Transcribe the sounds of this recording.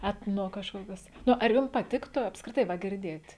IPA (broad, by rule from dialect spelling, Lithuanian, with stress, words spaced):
ˈæːtnoː kɐʃˈkoːkʲɛs ˈnʊ ɐr ˈjʊm pɐˈtʲɪktʊ ɐpskrʲɪˈtɐɪ ʋɐ ɡʲɪrʲˈdʲeːtʲ